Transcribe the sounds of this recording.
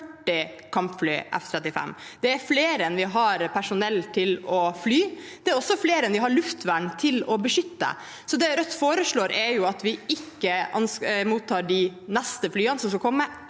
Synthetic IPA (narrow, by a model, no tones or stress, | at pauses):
ʈːɪ | kʰɑmpflyːʔɛ̰ft̪ʰɾɛt̪ːɪfɛ̰mːd̪̥ɛæɾfleːɾɛnʋɪɦɑɾpʰæʂʊnɛlt̪ʰɪlɔflyːd̪̥ɛæɾɔsːɔfleːɾɛnʋɪɦɑɭʉft̪ʋæɳt̪ʰɪlɔbəʂʏt̪ːə̰ | sɔd̪ɛɾœt̪ːfoːɾəʂɭoːɾʔɛɾjʊɑt̪ʋɪɪkːəʔɑnsmuːt̪ʰːɑːɖɪnɛst̪əflyːənsɔmskɑkʰɔmːə